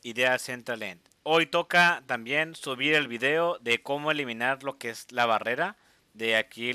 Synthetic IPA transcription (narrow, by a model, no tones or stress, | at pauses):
iðeasent̪ɾalent̪ | o̞jt̪o̞kat̪ambje̞nsuβiɾe̞lβiðe̞o̞ðe̞ko̞moe̞limĩnaɾlo̞keezlaβare̞ɾa | ðe̞aki